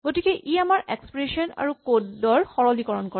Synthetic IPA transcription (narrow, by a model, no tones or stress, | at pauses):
ɡotikɛʔiamaɹʔekspɹesɔna̰ɹukoddɔɹxɔɹɔlikɔɹɔnkɔɹɛ